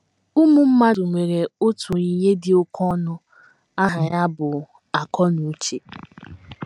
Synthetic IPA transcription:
u˦mu˦m̩˦ma˦dʊ˨ŋʷe˨ɾe˨o˦tʰu˨i˨ɲe˦dɪ˨ʊ˦kʰɔ˦nʊ˦ | a˦ɦa˨ɲa˦bʊ˨ | a˨kɔ˦nu˨˦t͡ʃe˨

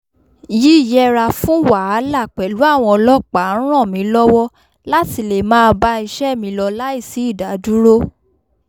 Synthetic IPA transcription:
ji˦i˦˨jɛ˦ɾa˧fũ˦wa˨a˨˦la˦˨k͡pɛ˨lu˨˦a˦˨w̃ɔ̃˧ɔ˧lɔ˦k͡pa˨˦ɾ̃ɔ̃˦˨mĩ˨˦lɔ˦wɔ˦ | la˦ti˧le˨mãː˦˧ba˧i˧ʃɛ˦˨mĩ˧˦lɔ˧la˦i˦˨si˨˦i˦˨da˨˦du˦ɾo˦

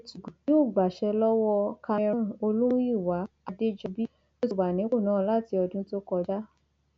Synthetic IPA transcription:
tu˨ɡu˨bi˨˦o˦˨ɡ͡ba˨ʃɛ˧lɔ˦wɔ˧ka˧ɾ̃o˧lũ˦ũ˦i˦˨wa˨˦ | a˧de˦d͡ʒɔ˧bi˦ | o˦˧tu˨ɡ͡ba˨nĩ˨˦ko˦˨nãː˨˦la˦˨ti˧˦ɔ˧dũ˦to˦kɔ˧d͡ʒa˦

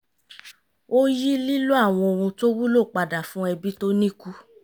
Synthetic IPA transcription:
o˦ji˦li˦lu˦a˦˨w̃ɔ̃˧o˧ɾ̃ũ˧to˦wu˦lo˦˨k͡pa˨da˨fũ˦ɛ˧bi˦to˦nĩ˦ku˦

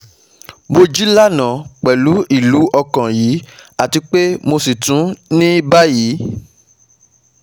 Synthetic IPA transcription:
mo˧d͡ʒi˦la˦nã˨k͡pɛ˨lu˨˦i˦˨lu˨˦ʔɔ˧kã˨ji˨˦a˨ti˧k͡pe˦mo˧si˨tũ˨˦nĩ˦ba˦ji˨˦

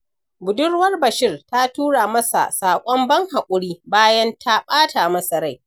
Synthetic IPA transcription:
bʊ˨dʊ˦rwɐ˦rbɐ˨ʃɪ˦rta˦tuː˦ɽaː˨mɐ˦sa̰˨saː˨kʷʼɔ˦mbɐ˦ŋha˨kʷʼʊ˨ɽiː˦baː˦jɐ˦ntʰa˦ɓaː˦tʰaː˨mɐ˦sɐ˨ɽa˦˨j

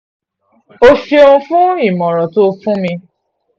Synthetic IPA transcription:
o˦ʃe˧ũ˧fũ˦i˦˨mɔ̃˨ɾɔ̃˨to˦˧fũ˦mĩ˧

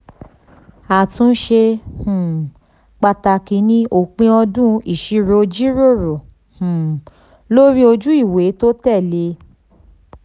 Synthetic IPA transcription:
a˨tũ˦ʃe˧hũ˨ | k͡pa˧ta˧ki˨˦nĩ˧o˨k͡pĩ˧ɔ˧dũ˦i˨ʃi˨˧ɾo˧d͡ʒi˦ɾo˦˨ɾo˨ | hũ˨ | lo˦ɾi˦o˧d͡ʒu˦i˦˨we˨˦to˦tɛ˦˨le˧

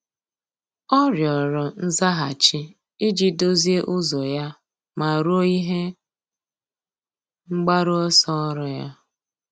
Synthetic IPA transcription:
ɔ˦ɾjɔ˨ɾɔ˨n̩˦za˦ɦa˨t͡ʃi˦ | i˦d͡ʒi˦do˦zi˦e˦ʔʊ˦zɔ˨ja˦ | ma˨ɾo˦i˦ɦe˦ | ŋ͡m̩˦ɡ͡ba˦ɾʊ˦ɔ˦sɔ˦ɔ˦ɾɔ˨ja˦

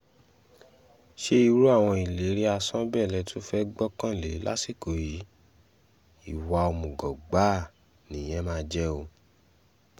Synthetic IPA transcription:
ʃe˦i˧ɾu˦a˦˨w̃ɔ̃˧i˨le˨˦ɾi˦a˧sɔ̃˦bɛ˦˨lɛ˧tʰu˦fɛ˦ɡ͡bɔ˦kã˦˨le˨˦la̰˦si˦˨ko˨ji˨˦ | i˦˨wa˨˧o˧mũ˨ɡɔ˨ɡ͡ba˦˨ | nĩ˨j̃ɛ̃˦mãː˦d͡ʒɛ˦o˧

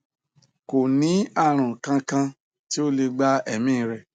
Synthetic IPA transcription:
ko˨nĩ˨˦a˦˨ɾ̃ã˨kã˧kã˧ | ti˦o˦le˧ɡ͡ba˦ɛ˦˨mĩː˦˨ɾɛ˨

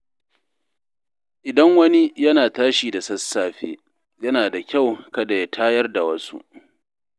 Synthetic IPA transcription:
ʔɪ˨dɐ˦ŋwɐ˦ni˦jɐ˦naː˨taː˦ʃiː˨da˨sɐ˦sːaː˨ɸḛː˦ | jɐ˦naː˨da˨kʲa˦˨wkɐ˦da˨ja˦tʰaː˦jɐ˦rda˨wɐ˦sṵ˦ʔ

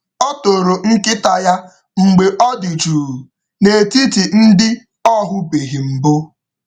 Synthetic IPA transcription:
o˦to˨ɾo˨ŋ̩˦kɪ˦ta˦ja˦ | ŋ͡m̩˨ɡ͡be˨ʔɔ˦di˨d͡ʒuː˨ | ne˨ti˦ti˨n̩˦dɪ˦ | ɔ˦ɦʊ˦be˨ɦi˨m̩˨bʊ˦

